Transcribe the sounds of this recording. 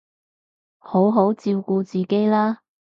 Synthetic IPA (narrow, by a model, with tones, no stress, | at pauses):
ho˨˥wɦo˨˥wt͡siː˧wkuː˧t͡siː˨ke˥jlaː˥